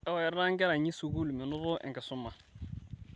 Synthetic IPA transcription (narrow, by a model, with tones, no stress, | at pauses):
ɛ˦wa˨ɛ˨ɾa˦ŋ˦ɡɛ˦ɾa˨ɲi˦su˨ɡu˦lu˨mi˨nʊ˦ɾʊ˦ʔɛ̰˨ŋkɛ˨sʊ˦mːa˨